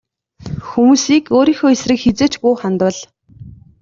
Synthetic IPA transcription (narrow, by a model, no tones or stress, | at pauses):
xumuːsiːkoːɾiːxoːesrɘ̆kxet͡seːt͡ɕpuːχant̪ə̆ɮ